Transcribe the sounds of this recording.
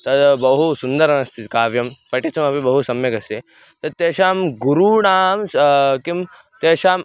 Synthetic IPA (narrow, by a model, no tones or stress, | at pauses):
t̪ɐt̪bɐɦusund̪ɐɾɐnɐst̪ʰit̪ikaːʋjɐmpɐʈit͡sɐmɐpibɐɦusɐmjɐkɐst̪i | t̪ɐt̪ːjeːʃaːmɡuɾuɽaːmskim | t̪jeːʃaːm